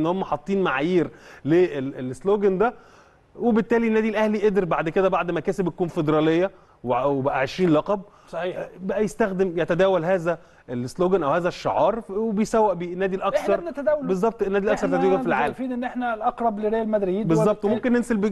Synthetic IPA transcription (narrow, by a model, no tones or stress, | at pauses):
nːhomːæħɑt̪ˤːiːnmaʕajiːɾleːelesloːɡænd̪æ | webet̪ːæːlinːæːd̪ilʔæhliʔed̪ɾbaʕd̪ked̪æbaʕd̪mækæːsebjækuːnfed̪eɾˤɑlejːɑ | wewebæʔæʕeʃiːnlɑqɑb | sˤɑħiːbæʔæjest̪æxd̪emjæt̪æd̪æːwælhæːzæ | ʔelesloːɡænʔæwhæːzæʃːɑ̰ʕɑːɾˤwebejsæwːæʔbnːæːd̪ilʔɑksɑɾˤnt̪æd̪æːwlbezˤːɑb̚t̪ˤenːæːd̪ilʔæksɑɾt̪æd̪eɡæfilʕa̰ːlæmfiːd̪ʔenːʔeħnælʔɑqɾˤɑbleɾejælmæd̪ɾijiːbezzːɑb̚t̪ˤwemomkenːenselb